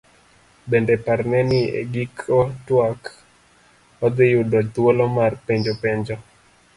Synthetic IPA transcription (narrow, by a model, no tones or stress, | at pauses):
bendɛpaɾnɛnɪḛɡikʰotwak | ɔd̪ɪjʊdɔt̪wolɔmarpeɲd͡ʒopeɲd͡ʒo